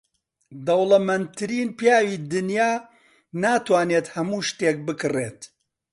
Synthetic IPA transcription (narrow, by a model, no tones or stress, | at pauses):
d̪ɐwlˠɐmɐnt̪ʰɨɾiːnpjaːwiːd̪ɨnjaː | naːt̪waːnet̪hɐmuːʃt̪eːk̚bɨkɨreːt̪